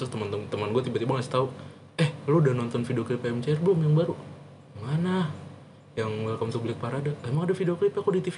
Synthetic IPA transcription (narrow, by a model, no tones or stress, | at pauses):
at̪əmənt̪ət̪əmanɡuat̪ibat̪ibaŋasi̥t̪au | ɛhloudanɔnt̪ɔnfidioklipemt͡ʃarblʊmjaŋbaɾu | mana | jaŋməlakamsubilɪk̚paɾaːdalamaŋadafidioklipakodit̪ifi